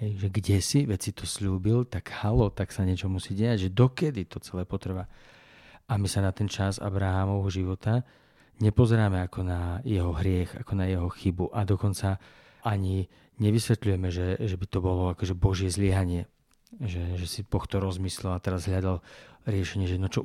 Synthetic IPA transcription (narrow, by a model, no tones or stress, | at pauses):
ɦɛjʒɛɡɟɛsiʋɛt͡sit̪ɔsʎuːbilt̪aɡhalɔt̪aksaɲɛt͡ʃɔmusiːɟɛaɟʒɛd̪ɔkɛd̪it̪ɔt͡sɛlɛːpɔt̪ɾ̩ʋa | ʔamisanat̪ɛnt͡ʃaza̰bɾaɦaːmɔʋɦɔʒiʋɔt̪a | ɲɛpɔzɛɾaːmɛakɔnajɛɦɔɦɾɪɛxa̰kɔnajɛɦɔxibuʔad̪ɔkɔnt͡sa | ʔaɲi | ɲɛʋisʋɛt̪ʎujɛmɛʒɛʒɛbit̪ɔbɔlɔakɔʒɛbɔʒɪɛzlɪɛɦaɲɪɛ | ʒɛʒɛsipɔxt̪ɔɾɔzmiːslɛlat̪ɛɾazɦʎad̪alɾɪɛʃɛɲɪɛʒɛnɔt͡ʃɔ